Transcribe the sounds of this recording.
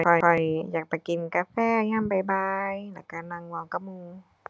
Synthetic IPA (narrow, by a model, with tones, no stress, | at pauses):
ɔ˨˩ɔ˨˩jjaː˨˩k̚pa˧˩ki˨˩nkaː˧fɛː˥˩ŋaː˧˥˩mpa˧jbaː˧jla˧˩ka˧˩na˧ŋwa˧wka˧˩muː˧ŋ